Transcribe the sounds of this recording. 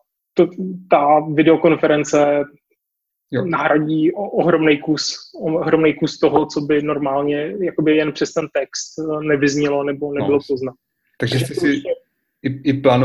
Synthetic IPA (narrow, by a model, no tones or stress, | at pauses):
t̪ot̪avɪdɛo̞ko̞nfɛɾɛnt͡sɛ | jnaɦɾaɟiːoʔoɦɾo̞mnɛjkusoɦɾomnɛjkust̪oɦot͡sobɪno̞ɾmaːlɲɛjako̞bɪjɛnpr̥ɛst̪ɛnt̪ɛkst̪nɛvɪzɲɛlonɛbo̞nɛbɪlopozna | t̪aɡʒʒɛst̪ɛsɪɛ | ɪɪplaːno